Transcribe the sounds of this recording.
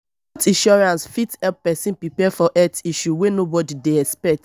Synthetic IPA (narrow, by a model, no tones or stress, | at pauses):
tĩnʃɔɹãnsfithɛlppɛsĩnpɹipɛfɔʔɛtiʃuwenobɔdideɛspɛk̚t